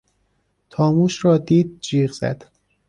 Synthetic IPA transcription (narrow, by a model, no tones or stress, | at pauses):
t̪ʰɒːmuːʃɾɒːd̪iːd̪̚d͡ʒiːɣz̥æ̰d̪̥